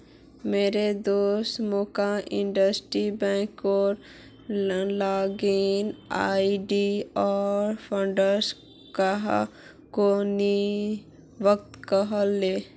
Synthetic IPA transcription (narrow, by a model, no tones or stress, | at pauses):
meːɾed̪oːst̪moːkaʔɪ̃ɳɖəsʈɾibɛ̃ːkɔɾ | laːɡinaːiɖiɔːɾpʰãɳɖəɾs | kaɦ | koni | ʋək̚t̪kəɦəlːeː